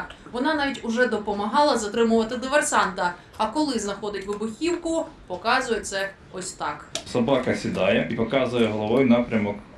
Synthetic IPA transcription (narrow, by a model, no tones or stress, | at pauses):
ʋɔnɑnɑʋʲitʲʊʒɛd̪ɔpɔmɐɦɑlˠɐzɐt̪ɾɪmʊʋɐt̪ɪd̪ɪʋersɑnt̪ɐ | ɐkɔlˠɪznɐxɔd̪ɪtʲʋɪbʊxʲiwkʊpɔkɑzʊjɛt̪sɛ | ɔsʲt̪ɑksɐbɑkɐsʲid̪ɑjɛʔipɔkɑzʊjɛɦɔlˠɔʋɔjnɑpɾʲɐmɔk